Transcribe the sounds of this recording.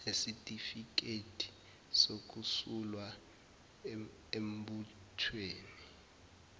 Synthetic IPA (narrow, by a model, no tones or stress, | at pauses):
esitʼifik̬etʰi̥ | sok̬usulwa | embu | tʰweːni